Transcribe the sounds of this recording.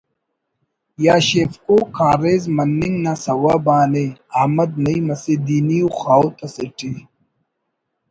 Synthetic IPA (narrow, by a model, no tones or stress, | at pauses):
jaːɕeːfkoːkʰaːɾeːzmɐnːiŋɡnasɐwabaːneaːmɐd̪̚nɐimɐsed̪iːnijuxaːwt̪ɐsiʈi